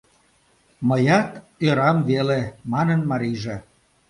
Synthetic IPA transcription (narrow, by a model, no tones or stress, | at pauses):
məjɑt̪ | øɾɑmvelemɑnənmɑɾiʒĕ